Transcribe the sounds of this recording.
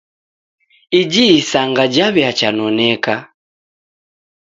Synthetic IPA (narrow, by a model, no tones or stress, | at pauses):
id͡ʒiːsaŋɡad͡ʒaβɛat͡ʃanɔnɛka